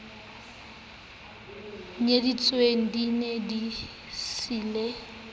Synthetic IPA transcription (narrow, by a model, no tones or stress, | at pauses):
ɲedit͡sʼweŋ̩dinedi | sile